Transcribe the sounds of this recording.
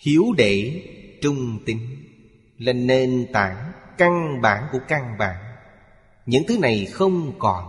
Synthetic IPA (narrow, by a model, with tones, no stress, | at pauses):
hi˨˦əwɗe˧˩˨t͡ɕʊ˧ŋ͡mt̪i˨˦ŋ̟ | laː˨˩ne˧nt̪aː˧˩ŋka˧ŋɓaː˧˩nku˧˩əka˧ŋɓa̰ː˧˩˦ŋ | ɲɨ̰˧˥ŋt̪ʰɨ˨˦na˨˩jxə˧wŋ͡mkɔ˨˩n